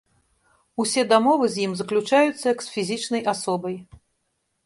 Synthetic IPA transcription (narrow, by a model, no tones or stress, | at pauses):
usʲɛd̪amɔvɨzʲjimzɐklʲut͡ʂajut̪sːɐjɐksfʲizʲit͡ʂnɐjʔasɔbɐj